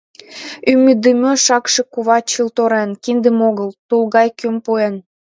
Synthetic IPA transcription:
ymːyd̪əmøʃɑkʃĕkuβɑt͡ɕəlt̪oɾenkind̪ə̆moɣəlt̪ulɣɑjkømpuen

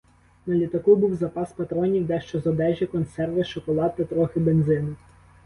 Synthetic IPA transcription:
nɐlʲit̪ɐkubuwzɐpɑspɐt̪ɾɔnʲiwd̪ɛʃt͡ʃɔzɔd̪ɛʒʲikɔnsɛrʋɪʃɔkɔlˠɑt̪ːɪt̪ɾɔxɪbenzɪnʊ

